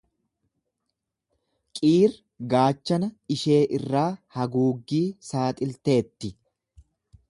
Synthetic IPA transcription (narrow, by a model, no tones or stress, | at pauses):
kʼiːɾ | ɡaːt͡ʃːɐnɐɪʃe̞ːʔɪrːaːhɐɡuːɡːiːsaːt̪ʼɪlt̪e̞ːt̪ːɪ